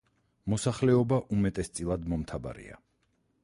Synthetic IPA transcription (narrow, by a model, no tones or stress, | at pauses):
mɔsaχlɛɔbaʔumɛt̪ʼɛst̪sʼilˠad̪mɔmt̪ʰaba̰ɾḭa̰